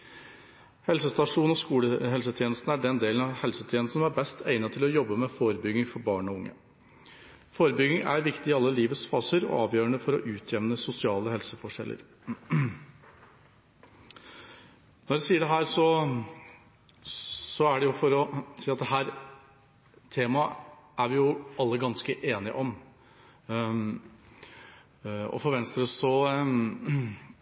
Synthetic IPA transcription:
hɛlsəst̪ɑʂuːn̩ɔskuːləhɛlsət̪ʰjeːnəst̪n̩æɖɛnd̪eːlənɑhɛlsət̪ʰjeːnəsn̩æɾbɛst̪ʰæɪnət̪ʰɪlɔjɔbːəmɛfoːɾəbʏɡɪŋfɔɾbɑːɳɔʊŋːə̰ | foːɾəbʏɡɪŋæ̰ɾʋɪkt̪ɪɪɑlːəliːʋət̪sfɑːsəɾɔ̰ɑ̰ːʋjøːɾəɳəfɔɾɔ̰ʔʉːt̪ʰjɛʋnəsʊsɪɑːləhɛlsəfɔʂɛ̰lːʔə̰ɾ | nɔɾɛsiːəɖɛɦæːɾsɔ | sɔæɖɛjʊfɔɾɔsiːɾɑt̪̚d̪ɛɦæːɾ | t̪ʰeːmɑʔæɾʋɪjʊɑlːəɡɑnskəʔeːnɪəʔɔm | ɔ̰fɔɾʋɛnst̪əɾəsɔ

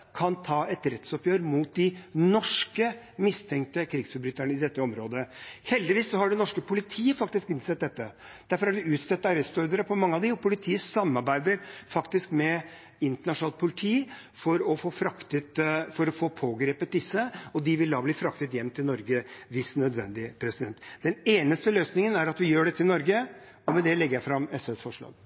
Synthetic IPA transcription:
kʰɑnt̪ʰɑːɛt̪ɾɛt̪sɔpjøːɾmuːt̪̚d̪ɪnɔʂkə | mɪst̪ʰɛŋk̚t̪əkʰɾɪːɡsfʉbɾʏt̪ːəɳəɪd̪ɛt̪ːəɔmɾoːd̪əhɛld̪ɪʋiːssɔhɑɖɛnɔʂkəpʰʊlɪt̪ʰiːəfɑk̚t̪ɪskɪnsɛt̪̚d̪ɛt̪ːə | d̪̥æɾfɔɾhɑɖɛʉːt̪sɛt̪ːɑɾɛst̪ɔɾd̪əɾəpʰɔmɑŋːəɑʋd̪ɪɔpʰʊlɪt̪ʰiːəsɑmːɑɾbæɪd̪əɾfɑkt̪ɪskmɛ | ɪnt̪əɳɑʂʊnɑːlt̪̚pʰʊlɪt̪ʰiː | fɔɾɔfoːfɾɑkt̪ət̪fɔɾɔfoːpʰoːɡɾeːpət̪̚d̪ɪsːəɔd̪ɪʋɪld̪ɑːbliːfɾɑkt̪ət̪jɛmnt̪ʰɪlnɔɾɡəʋɪst̪nœd̪ʋɛ̰nd̪ɪpʰɾɛsɪd̪ɛnt̪d̪̥ɛneːnəst̪əløːsnɪŋənæɾɑt̪ʋɪjøːɖɛt̪ʰːɪlnɔɾɡə | ɔmɛd̪ɛlɛɡəɾjæɪfɾɑmːɛsɛsfɔʂɭɑ̰ːɡ

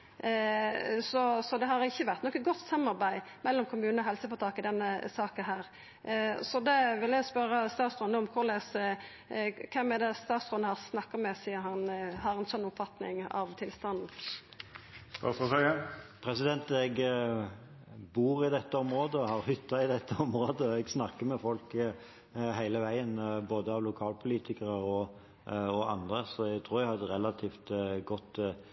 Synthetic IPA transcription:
sɔsɔd̪ɛɦɑɾɪçːəʋæʁt̪nɔkːənɡɔt̪ːsɑmːɑɾbæɪmɛlːɔmkʰʊmʉːnɔɦɛlsəfɔɾt̪ʰɑːkɪd̪ɛnːəsɑːkənɦæːɾ | sɔd̪ɛʋɪljæɪspœɾəst̪ɑːt̪sɾɔnəʊmkʰʊlɛs | kʰɛmːɛd̪ɛst̪ɑːt̪sɾɔnəhɑʁsnɑkːɑmɛsiːəɾhɑnhɑɾɛnsɔnːʊpfɑt̪nɪ̰ŋɑ̰ʋt̪ʰɪlst̪ɑnd̪n̩ | ɑ̰sɔsɛəpʰɾɛsɪd̪ɛnt̪ɛɡ | buːʁɪd̪ɛt̪ːəɔmɾoːd̪əɔhɑʁhʏt̪ːɑɪd̪ɛt̪ʰːəɔmʁoːd̪əɔɛɡsnɑkːəmɛfɔlk | hæɪləʋæɪənboːd̪əɑʋlʊkʰɑːlpʰʊliːt̪ʰɪkəʁəɾɔ | ɔɑ̰nd̪ɾəsɔɛɡt̪ʰɾuːɾɛɡhɑd̪əɾɛlɑt̪ʰiːft̪ɡɔt̪ː

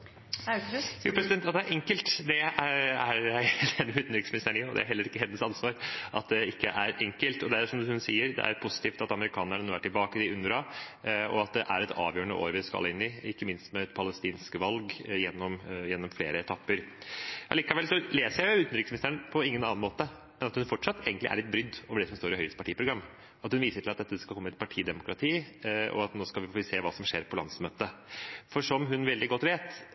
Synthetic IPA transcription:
juːpɾɛsɪd̪ɛnt̪ɑt̪d̪ɛæɾʔɛŋkəlt̪d̪ɛææɾæɪɛnːəmʉːt̪n̩ɾɪksmɪnɪst̪əɳɔd̪ɛ̰æ̰ɾɦɛlːəɾɪkːəɦɛnːəsɑnsʋɑːɾʔɑt̪̚d̪ɛɪkːəʔæɾɛŋkəlt̪ɔd̪ɛæʂɔmd̪hʉnsiːəɾd̪ɛ̰ʔæ̰ɾpʰʊsɪ̥t̪iːft̪ɑt̪ɑməɾɪkʰɑːnəɳənuːʋæʈːɪlbɑːkəd̪ɪʉnɾɑɔɑt̪̚d̪ɛʔæɾɛt̪ʰɑ̰ːʋjøːəɳə̰ʔo̰ːɾʋɪskɑ̰lːəɪnːɪɪkːəmɪnst̪mɛɛt̪pʰɑləst̪iːnskəʋɑlɡjɛnːɔmjɛnːɔmflḛːɾəɛt̪ʰɑpːəɾʔɑ̰liːkɑʋɛlsɔleːsəɾjæɪʊʉːt̪n̩ɾɪksmnɪst̪æɳpʰɔɪŋːənɑːnɑnmoːt̪ə | mɛnɑt̪hʉnfɔʈʂɑt̪ːeːɡnlɪ̰ʔæ̰ɭɛt̪̚bɾʏd̪ːoːʋəɖɛsɔmst̪oːɾɪhœʏəst̪əpɑʈiːəpʰɾʊɡɾɑmː | ɑt̪hʉnʋiːsəʈʰɪlɑt̪̚d̪ɛt̪ːəd̪ɛskɑlkɔmːət̪pʰɑʈʰiːd̪ɛmʊkʰɾɑt̪ʰiːɔ̰ɑt̪noːskɑlʋɪfseːʋɑːsɔmʂeːɾpʰɔlɑnd̪smøːt̪əfɔʂɔmɦʉnʋɛld̪ɪɡɔt̪ːʋeːt̪

